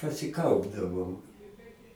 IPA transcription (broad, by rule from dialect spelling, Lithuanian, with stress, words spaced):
pɐsʲɪˈkɐʊbdɐʋoːm